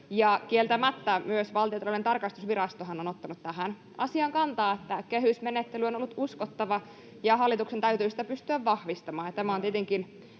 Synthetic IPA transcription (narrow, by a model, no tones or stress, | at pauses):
jɑkielt̪æmæt̪ːæmyøsʋɑlt̪iot̪ɑloinent̪ɑrkɑst̪usʋirɑst̪oɦɑnonot̪ːɑnut̪t̪æɦæn | ɑsiɑŋkɑnt̪ɑːet̪ːækehysmenet̪ːelyonolːut̪uskot̪ːɑʋɑ | jɑɦɑlːit̪uksent̪æyt̪yːsi̥t̪æpyst̪yæʋːɑhʋist̪ɑmɑːnjɑt̪æmæont̪iet̪eŋkin